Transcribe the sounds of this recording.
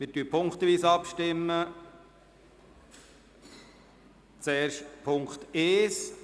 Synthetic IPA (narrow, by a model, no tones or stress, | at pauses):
mɪtyːpʰʊŋkt̪əʋiːsəɑpʃtɪmːə | t͡sɛːɾʃtpʰʊŋkt̪eːs